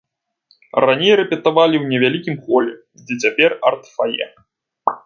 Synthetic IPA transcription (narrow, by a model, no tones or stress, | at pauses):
ranʲejɾɛpʲɛt̪avalʲiwnʲɛvʲalʲikʲimxɔlʲɛ | zʲd͡zʲɛt͡sʲapʲɛrɐrt̪fajɛ̰